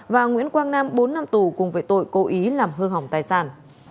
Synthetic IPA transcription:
vaː˨˩ŋwḭ˧˥ənkwaː˧ŋnaː˧mɓo˨˦nːa˧mt̪u˧˩kʊ˨˩ŋ͡mvəː˨˦jt̪o̰˧˨jko˨˦ʔi˨˦laː˨˩mɦɨ˧ŋɦa˨˧˩wŋ͡mt̪aː˨˩jsaː˧˩n

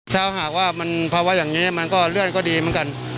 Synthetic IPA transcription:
t̪ʰaː˧˩˧ɦaː˨˩k̚waː˥˩ma˧npʰɔ˧waː˧˥˩jaː˨˩ŋiː˦˥ma˧nkɔː˥˩ɾɯ˥˩ənkɔː˥˩diː˧mɯ˧˦ŋka˧n

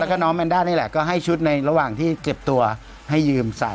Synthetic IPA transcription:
kɔː˥˩nɔː˦˥mʔa˧ndaː˥˩jni˥˩lɛ̰˨˩kɔː˥˩ɦa˥˩jt͡ɕʰu˦˥t̪̚na˧jɾa˧waː˨˩ŋt̪ʰiː˥˩ke˨˩p̚t̪u˧ɐ | ha˥˩jːɯː˧msa̰˨˩˦

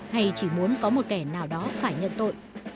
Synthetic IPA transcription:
ha˧˩jt͡ɕi˧˩mu˨˦ənkɔ˨˦mo˨˩t̚kɛ˧˩naː˨˩wɗɔ˨˦faː˧˩jɲə̰˧˨nt̪o̰˧˨j

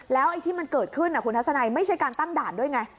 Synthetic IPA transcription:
lɛː˨˦wʔə˧jt̪ʰi˧ma˨˩nkəː˨˩t̚kʰɨː˧nʔaː˨˧˩xntʰa˨˦wsaː˧˩na˧˩jmə˨˦jt͡ɕa˧˦kaː˨˩nt̪a˧ŋɗaː˧˩nɗo˧əjŋa˧˩j

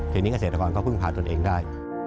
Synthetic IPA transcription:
t̪ʰiː˧ni˦˥a˧seː˨˩t̪a˧ɔː˧nkɔː˦˥˩pʰɯ˥˩ŋpʰaː˨˩nt̪ənʔeː˧˩ŋdaː˥˩j

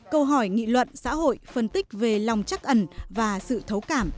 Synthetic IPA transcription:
kə˧wɦɔ˧˩jŋḭ˧˨lwə̰˧˨nsa̰ː˧˥ɦo̰˧˨jfə˧nt̪ï˦˥k̟̚ve˨˩la˨˩wŋ͡mt͡ɕa˦˥k̚ʔə˧˩nvaː˨˩sɨ̰˧˨t̪ʰə˨˦wkaː˧˩m

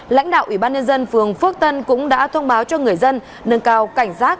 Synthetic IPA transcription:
la̰˧˥jŋ̟ɗa̰ː˧˨ʔi˧˩ɓaː˧nɲə˧nzə˧nfɨ˨˩əŋfɨ˦˥ək̚t̪ə˧nkʊ̰˧˥ŋ͡mɗa̰ː˧˥t̪ʰə˧wŋ͡mɓaː˨˦wt͡ɕɔ˧ŋɨ˨˩əjzə˧n | nə˨˧nkaː˧˩wka˧˩jŋ̟saː˦˥k̚

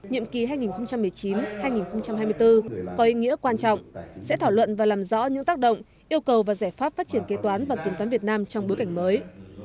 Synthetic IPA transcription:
ɲḭ˧˨əmki˨˩ɦaː˧jŋi˨˩nxə˧ŋ͡mt͡ɕa˧mːɨ˨˩əjt͡ɕi˨˦nhaː˧jŋi˨˩nxə˧wŋ͡mt͡ɕa˧mɦaː˧jmɨ˧əjt̪ɨ˧kɔ˨˦ʔi˧ŋḭ˧˥əkwaː˧nt͡ɕɔ̰˧˨wŋ͡msɛ̰˧˥t̪ʰaː˧˩lwə̰˧˨nvaː˨˩laː˨˩mzɔ̰˧˥ɲɨ̰˧˥ŋt̪aː˦˥k̚ɗə̰˧˨wŋ͡m | ʔi˧əwkə˨˩wvaː˨˩zaː˧˩jfaː˦˥p̚faː˦˥t̚t͡ɕi˧˩ənke˨˦t̪waː˨˦nvaː˨˩t̪i˨˩ŋt̪waː˨˦nvi˨˩ət̚naː˧mt͡ɕɔ˧wŋ͡mɓo˨˦jka˧˩jŋ̟məː˨˦j

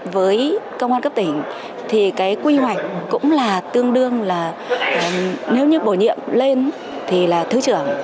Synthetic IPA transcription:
vəː˨˦jkə˧wŋ͡maː˧nkə˦˥p̚t̪ï˧˩ŋ̟ | t̪ʰi˨˩kaː˨˦jkwi˧hwa˨˩jk̟̚kʊ̰˧˥ŋ͡mlaː˨˩t̪ɨ˧əŋɗɨ˧əŋlaː˨˩˨ | ne˨˦wɲɨ˨˦ɓo˧˩ɲḭ˧˨əmle˧n | t̪ʰi˨˩laː˨˩t̪ʰɨ˨˦t͡ɕɨ˧˩əŋ

